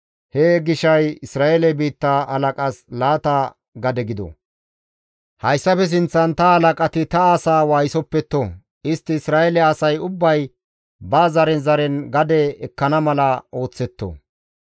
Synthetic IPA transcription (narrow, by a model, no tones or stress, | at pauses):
heːɡɪʃɐjɪsɾaːelɛbiːt̪ːaɐlɐkʼɐslaːt̪a | ɡɐd̪ɛɡɪd̪ɔ̰ | hɐjsːɐfɛs̬ɪnt͡sːɐnt̪ɐhɐlɐkʼɐt̪ɪt̪ɐaːsaːwaːjsɔpːɛt̪ːo | ɪst̪ːɪːsɾaːɛlɛɐsɐjʊbːɐj | baːzɐɾɛnzɐɾɛnɡɐd̪ɛɛkːɐnɐmɐlɐo̞ːt͡sːɛt̪ːo̰